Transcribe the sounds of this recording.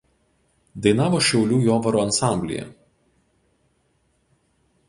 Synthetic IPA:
d̪ɐɪnɑːʋoːʃʲɛʊlʲuːjoːʋɐɾoɐnsɑˑmʲbʲlʲɪ̰jɛ̰

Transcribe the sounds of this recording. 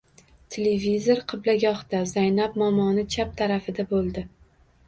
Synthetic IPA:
t̪ʰelevizoɾqʰɨblaɡʲɒht̪azajnap̚mɒmɒnɪt͡ʃʰap̚t̪ʰaɾafɪd̪abolˠd̪ɪ

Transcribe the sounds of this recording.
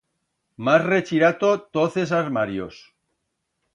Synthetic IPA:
masret͡ʃiɾat̪ot̪oθe̞s̬aɾmaɾjos

